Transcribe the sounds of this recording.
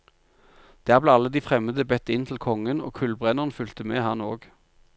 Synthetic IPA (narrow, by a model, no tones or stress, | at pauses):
d̪̥æːʁbleːɑlːəd̪iːfʁɛməd̪əbɛt̪ɪnt̪ʰl̩kʰɔŋəno̰ːkʰʉlbʁɛnəʁnfʏlt̪əmeːhɑnoːɡ